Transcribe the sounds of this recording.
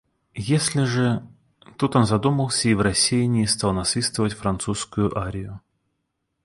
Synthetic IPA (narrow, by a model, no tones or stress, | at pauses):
jesʲlʲɪʐɨ | t̪ut̪onzɐd̪uməlˠsʲəivrɐsʲijɪnʲɪːst̪ɑlˠnɐsvʲist̪vəvətʲfɾɐnt̪suskʊjʊʔaɾʲɪjʊ